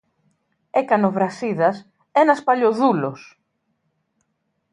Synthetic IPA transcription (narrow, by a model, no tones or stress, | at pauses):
ekɐnovɾɐsiðɐs | enɐspaʎoðulos